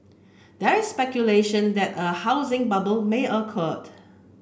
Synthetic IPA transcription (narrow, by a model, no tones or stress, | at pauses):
dɛɹɪsspɛkjuleʃə̃ndɛtəhaʊzɪ̃ŋbabəlmeʔəkʰɔd